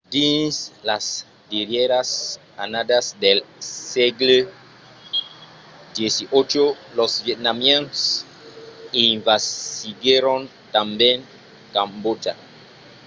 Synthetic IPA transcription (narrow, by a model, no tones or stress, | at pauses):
d̪ĩnslas | d̪iɾjeɾas | anad̪asd̪elseɡle | d̪jesiʔot͡ʃo | losvjet̪̚namjens | iɱvasiɡjeɾõn | t̪ambjẽn | kãmbota